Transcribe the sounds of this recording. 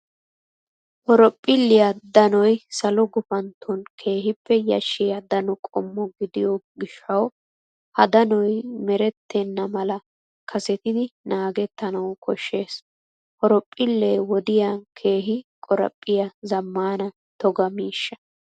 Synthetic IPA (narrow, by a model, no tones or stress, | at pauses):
hɔɾɔpʼːɪlːɪjɐd̪ɐnɔjsɐlɔɡʊfɐnt̪ʰːɔnkʰe̞ːɦɪpːɛjɐ̰ʃːɪjɐd̪ɐnɔkʼɔmːɔɡɪd̪ɪjɔɡɪʃːɐw | hɐd̪ɐnɔjmɛɾɛt̪ʰːɛnːɐmɐlɐ | kʰɐsɛt̪ɪd̪ɪnaːɡɛt̪ːɐnɐwkʰɔʃːe̞ːs | hɔɾɔpʼːɪlːeːwɔd̪ɪjakʰe̞ːɦɪkʼɔɾɐ̰pʼːɪjɐzɐmːaːnɐ | t̪ɔɡɐmiːʃːɐ̥